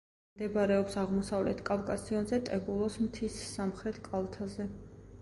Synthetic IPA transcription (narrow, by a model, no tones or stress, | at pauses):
md̪ɛbaɾɛɔpsaʁmɔsavlɛ̰t̪ʰkʼavkʼasiɔnzɛt̪ʼɛbulˠɔsmt̪ʰisːamχɾɛt̪ʰkʼalˠt̪ʰazɛ